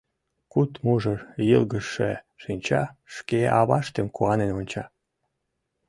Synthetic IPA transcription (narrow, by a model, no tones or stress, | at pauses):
kut̪muʒɤjəlɣəʃḛ | ʃinʲt͡ɕɑʃkeʔɑβɑʃt̪emkuɑnenonʲt͡ɕɑ